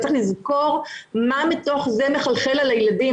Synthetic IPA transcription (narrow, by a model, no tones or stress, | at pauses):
t͡seχlizkoʁmamito̞χzemeχalχelalajladi